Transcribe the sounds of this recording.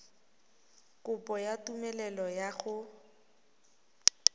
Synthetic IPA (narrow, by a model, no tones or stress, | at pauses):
kʼʊpʼɔjatumɛlɛlɔjaɣʊ